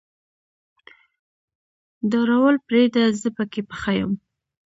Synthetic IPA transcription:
d̪aɾawəlpɾed̪azəpəkepəxajə̰m

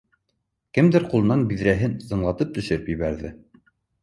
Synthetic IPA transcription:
kɘmd̪ɘɾqulˠɤ̆nɑnbiðɾæɦɘnsɤ̆ɴlˠɑt̪ɤp̚t̪ɵ̆ʃɘ̆ɾɘpjɘ̆βæɾðɘ

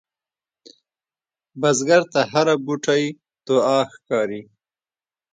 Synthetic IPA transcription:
bazɡaɾt̪aɦaɾabuʈʰaj | t̪oɑːxkɑːɾi

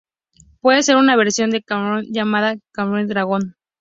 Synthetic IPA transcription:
pwe̞ðese̞ɾunaβe̞ɾsjo̞nd̪e̞kamɾond͡ʒamaðakamɾond̪ɾaɣo̞n

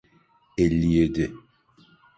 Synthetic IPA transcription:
ɛlːijed̪ɪ

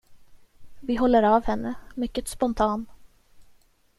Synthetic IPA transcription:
vɪɦɔlːəɾavhɛnːəmʏkːət̪spɔnt̪ʰɑːn

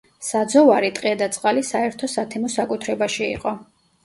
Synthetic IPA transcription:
sad̪zɔvaɾit̪ʼqʼɛd̪at̪sʼqʼalisaɛɾt̪ʰɔsat̪ʰɛmɔsakʼut̪ʰɾɛbaʃiḭqʼɔ

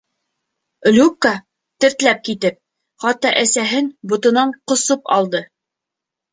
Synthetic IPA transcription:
lʲukːɑ | t̪ɘ̆ɾt̪læp̚kit̪ɘp̚ | χɑt̪ːɑʔæsæɦɘnbŏt̪ŏnɑɴqŏsopɑ̰lˠd̪ɤ

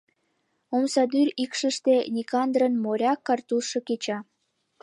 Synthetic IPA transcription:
omsɑd̪yɾikʃəʃt̪enʲikɑnd̪ɾənmoɾʲɑkːɑrt̪uʃɤket͡ɕɑ

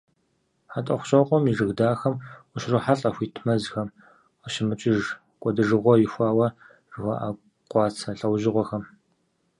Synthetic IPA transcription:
ħatʼɐχʷʊ̥ɕʼɐqʷʼɔmiʐɨɣdaːxɐmʷʊʃrɨħaɬʼɐxʷiːtʰmɐzxɐm | əʃɪmɨt͡ʃʼɪʒ | kʷʼɔdɨʐɨʁʷɔjɪxʷɑːwɐ | ʐɨxʷa̰ʔa | qʷɑːt͡sʰɐɬʼɐwʒɪʁʷɔxɐm

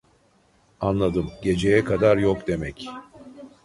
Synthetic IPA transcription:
anlˠad̪ɯmɟe̞d͡ʒe̞jɛkʰad̪aɾjokd̪e̞mɛc

